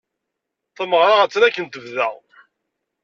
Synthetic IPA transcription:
θæməʁɾˤaʁæt͡sːɾækːənt̪əvðə̰ʁ

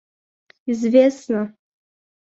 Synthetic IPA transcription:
izvʲesnɐ

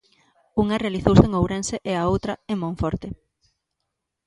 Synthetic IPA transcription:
uŋɐrealiθowseŋowɾenseʔeaowt̪ɾɐemõɱfɔɾt̪e

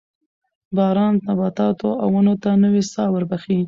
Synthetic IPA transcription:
bɑɾɑnt̪abɑt̪ɑt̪oʔawənot̪anəwesɑwəɾbaxi

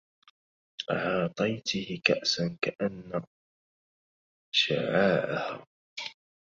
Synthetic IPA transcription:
ʕɑːt̪ˤɑjt̪ɪhɪkaʔsankaʔanːa | ʃaʕaːʔahaː

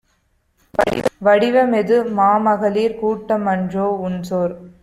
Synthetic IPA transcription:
ʋɐɽɪʋɐmɛðɯmaːmɐɣɐliːɾkuːʈːɐmɐɳdroːʊnsoːɾ

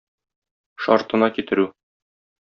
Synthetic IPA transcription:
ʃɒ̰ɾt̪ɤ̆nɑkit̪ɘ̆ɾʉ

